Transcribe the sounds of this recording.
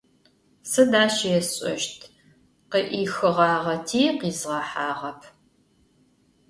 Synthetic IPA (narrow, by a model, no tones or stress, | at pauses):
sɨdaːɕjɛsɕʼɐ̰ʃtʰ | qəʔiːxɨʁɑːʁɐtʰiːqiːzʁɑħaːʁɐpʰ